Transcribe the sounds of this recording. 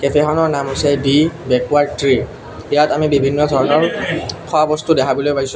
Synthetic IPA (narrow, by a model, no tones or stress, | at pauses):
kɛpʰɛxɔnɔɹnamosɛbibɛkuwaɹtɹi | ijatamibibʱinːɔdʱɔɹɔnɔɹkʰɔabɔstudɛkʰabɔlojpaɡisʊ̃